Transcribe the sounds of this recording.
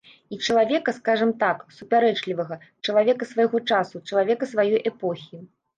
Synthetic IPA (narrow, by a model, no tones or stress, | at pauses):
it͡ʂɐlˠavʲɛkɐskaʐɐmt̪aksupʲaɾɛt͡ʂlʲivɐɣɐ | t͡ʂɐlˠavʲɛkɐsvajɣɔt͡ʂasut͡ʂɐlˠavʲɛkɐsvajɔjʔɛpɔxʲi